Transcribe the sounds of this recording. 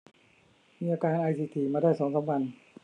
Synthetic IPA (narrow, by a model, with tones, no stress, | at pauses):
miː˧ʔaː˧kaː˧nʔaː˧jsiː˧t̪ʰiː˧˩maː˧daː˥˩jsɔː˩˦ŋsa˨˦mkʰa˧n